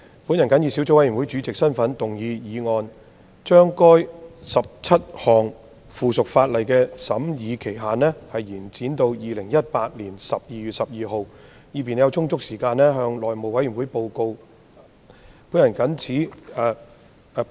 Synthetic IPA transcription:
pu˨˥njɐ˨˩nkɐ˨˥njiː˧si˨˥wt͡so˧˥wɐ˨˥jːnwu˨˥jt͡ʃyː˨˥t͡sɪ˨k̚sɐ˥nfɐ˨˥nt̪ʊ˨˩ŋjiː˨˧jiː˨˧ŋɔː˧n | t͡ʃœː˥ŋkɔː˥jsɐ˨p̚t͡sʰɐ˥t̚hɔː˨˩ŋ | fuː˨sʊ˨k̚faː˧t̚lɐ˨jkɛː˧sɐ˨˥mjiː˨˧kʰe˨˩jɦaː˨nlɛː˥hɐ˨jːiː˨˩nt͡siː˨˥nt̪o˧wjiː˨lɪ˨˩ŋjɐ˥t̚paː˧t̚liː˨˩nsɐ˨p̚jiː˨jy˨t̚sɐ˨p̚jiː˨˧ɦo˨w | jiː˨˧piː˨n˨jɐ˧wt͡sʰʊ˥ŋt͡sʊ˥k̚siː˨˩kaː˧nnɛː˥ɦœː˧ŋlɔː˨˩jmo˨wɐ˨˥jɥy˨˩nwuː˨˥jpo˧wko˧w | puː˨˥njɐ˨˩nkɐ˨˥nt͡sʰiː˨˥˨

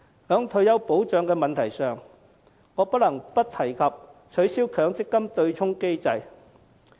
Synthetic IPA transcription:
hœː˨˧ŋt̪ʰɵ˨˧ɥjɐ˨˧wpo˨˥wt͡ʃœː˨˥ŋkɛː˧mɐ˨nt̪ʰɐ˨˩jsœː˨ŋ | ŋɔː˨˧pɐ˥t̚lɐ˨˩ŋpɐ˥t̚t̪ʰɐ˨˩jkʰɐ˨p̚t͡ʃʰɵ˨˥ɥsi˥wkʰœː˨˥ŋt͡sɪ˥kːɐ˥mt̪ɵ˧ɥt͡ʃʰʊ˥ŋke˥jt͡sɐ˧j

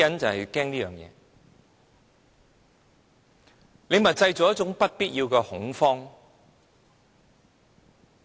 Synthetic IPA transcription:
ɐ˨˥nt͡sɐ˨whɐ˨jkɛː˥ŋliː˥jœː˨˩ŋjɛ̰ː˨˧ | le˨˧jmɐ˨˩t͡sɐ˧jt͡sɔː˨˥jɐ˥t͡ʃʊ˨˥ŋpɐ˥t̚piː˥t̚jiː˧wkɛ˧hʊ˨˥ŋfɔː˥ŋ

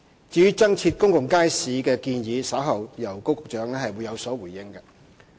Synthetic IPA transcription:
t͡siː˨˧jyː˥t͡sɐ˥ŋt͡sʰiː˧t̚kʊ˥ŋkʊ˨ŋkaː˥jsiː˨˧kɛː˧kiː˧njiː˨˧sɐ˨˥wɦɐ˨wjɐ˨˩wko˥wkʊ˨k̚t͡ʃœː˨˥ŋlɛ˥hɐ˨jwu˨˧jɐ˨˧wsɔː˨˥wuː˨˩jɪ˥ŋkɛ˧

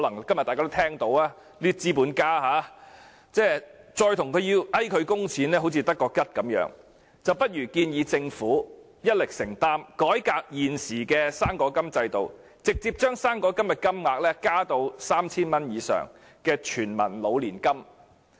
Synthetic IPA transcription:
lɐ˨˩ŋkɐ˥mjɐ˨t̪̚a˨kaː˥t̪t̪ʰɛː˥ŋt̪o˨˧˥waː˥ | liː˥t͡siː˥puː˨˥nkaː˥ɦaː˨˥ | t͡sɛː˥t͡sɔː˧jt̪ʰʊ˨˩ŋkʰɵ˨˧ɥjiː˧wʔɐ˥jkʰɵ˨˧ɥkʊ˥ŋt͡sʰiː˨˥nlɛː˥ɦo˨˥wt͡sʰiː˧t̪ɐ˥kːɔː˧kɐ˥t̚kɐ˨˧˥mjœ̰ː˨˥ŋ | t͡sɐ˨wpɐ˥t̚jyː˨˩kiː˧njiː˨˧t͡sɪ˧ŋfuː˨˥ | jɐ˥t̚lɪ˨k̚sɪ˨˩ŋt̪aː˥mkɔː˨˥jkaː˧k̚jiː˨˩nsiː˨˩kɛː˧saː˥ŋkɔː˨˥kɐ˥mt͡sɐ˧jt̪o˨w | t͡sɪ˨k̚t͡siː˧p̚t͡ʃœː˥ŋsaː˥ŋkɔː˨˥kɐ˥mjɐ˨t̚kɐ˥mŋaː˨˧k̚lɛː˥kaː˥t̪o˧wsaː˥mt͡sʰiː˥nmɐ˥njiː˨˧sœ̰ː˨˩ŋ | kɛː˧t͡ʃʰyː˨˩nmɐ̰˨˩nlo˨˧wliː˨˩nkɐ˥m

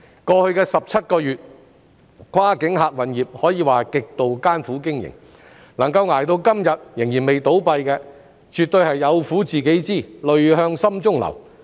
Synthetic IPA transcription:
kɔː˧hɵ˧ɥkɛː˧sɐ˨p̚t͡sʰɐ˥t̚kɔː˧jyː˨t̚ | kʷʰwaː˥kɪ˨˥ŋɦaː˨˧k̚wɐ˨˩njiː˨p̚hɔː˨˥jiː˨˧waː˨kɪ˨k̚t̪o˨wkaː˥nfuː˨˥kɪ˥ŋjɪ̰˨˩ŋ | nɐ˨˩ŋkɐ˧wŋaː˨˩jt̪o˧wkɐ˥mjɐ˨t̚jɪ˨˩ŋjiː˨˩nme˨jt̪o˨˥wpɐ˧jkɛː˧ | t͡ʃyː˨t̚t̪ɵ˧ɥhɐ˨jːɐ˨˧wfuː˨˥t͡siː˨ke˨˥jt͡siː˥˩lɵ˨ɥɦœː˧ŋsɐ˥mt͡sʊ˥ŋlɐ̰˨˩w

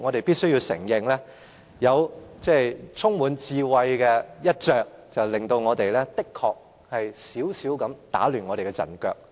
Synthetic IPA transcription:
ŋɔː˨˧ɾe˨jpiː˥t̚sɵ˥ɥji˧wsɪ̰˨˩ŋjɪ˨ŋlɛː˥ | jɐ˨˧wt͡sɛː˥˩t͡sʰʊ˥ŋwuː˨˧nt͡siː˧wɐ˧jkɛ˧jɐ˥t̚t͡ʃœː˨˧k̚t͡sɐ˨wlɪ˨˩ŋt̪o˧wŋɔː˨˧t̪e˨jlɛː˥t̪ɪ˥kʰɔː˧k̚ | hɐ˨jsiː˨˥wsi˨˥wkɐ˨˥mt̪a̰ː˨˥lyː˨˩nŋɔː˨˧ɾe˨jkɛ˧t͡sɐ̰˨˩nkœː˧k̚

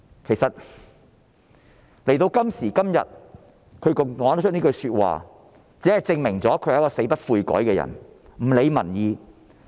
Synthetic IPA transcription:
kʰe˨˩jsɐ˨t̚ | le˨˩jt̪o˧wkɐ˥msiː˨˩kɐ˥mjɐ̰˨t̚ | kʰɵ˨˧ɥkɔː˨˥n̚˥t͡ʃ̚ʰni˥kɵ˧ɥsyː˧t̚wa̰ː˨ | t͡siː˨˥hɐ˨jt͡sɪ˧ŋmɪ˨˩ŋt͡sɔː˨˥kʰɵ˨˧˨kɔː˧se˨˧˥pɐ˥t̚fuː˧jkɔ̰ː˨˥jkɛː˧jɐ̰˨˩nm̩˨˩le˨˧jmɐ̰˨˩njiː˨˧

